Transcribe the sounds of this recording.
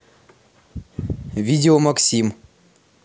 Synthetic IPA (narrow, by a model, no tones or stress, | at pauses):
vʲidʲɪomɐksʲim